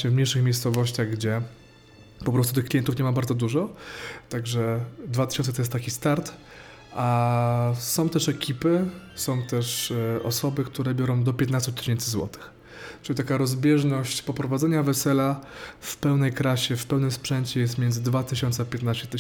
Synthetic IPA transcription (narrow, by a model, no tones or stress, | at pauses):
ɛvmɲejʂɘxmʲjejst̪sɔvɔɕt͡ɕaɣɡd͡ʑɛ | pɔpɾɔst̪ut̪ɘxklʲijɛnt̪ufɲɛmabaɾd̪zɔd̪uʐɔt̪aɡʐɛd̪vat̪ɘ̥ɕɔnt̪ɛt̪ɔjɛst̪t̪ːakʲist̪aɾt̪ | ʔa | sɔ̃w̃t̪ɛʂɛkʲʰipɘsɔ̃w̃t̪ɛʂɔsɔbɘkt̪uɾɛbʲjɔɾɔ̃w̃d̪ɔpʲjɛt̪nast̪ut̪ːɘ̥ɕɛnt̪sɘzwɔ̰t̪ɘ̥x | t͡ʂɨlʲit̪akaɾɔzbʲjɛʐnɔɕt͡ɕpɔpɾɔvad̪zɛɲavɛsɛlafpɛwnɛjkɾaɕɛfpɛwnɘmspʂɛnt͡ɕɛjɛst̪mʲɛnzɘd̪vat̪ɘɕɔnt̪sɛpʲjɛt̪naɕt͡ɕɛt̪